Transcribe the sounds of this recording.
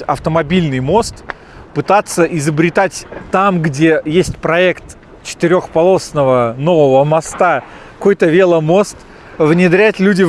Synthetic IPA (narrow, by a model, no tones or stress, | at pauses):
ɐ̰ft̪əmɐbʲilʲnɨjmo̞st̪ | pɨt̪at̪sːəʔɪzəbɾʲɪt̪atʲt̪amɡdʲe̞jesʲtʲpɾɐɛkt̪ | t͡ɕɪ̥t̪ɪɾʲo̞xpɐlˠo̞snəvəno̞vəvəmɐst̪a | ko̞jt̪əvʲe̞lˠəmo̞st̪ | vnʲɪd̪ɾʲætʲlʲudʲɪ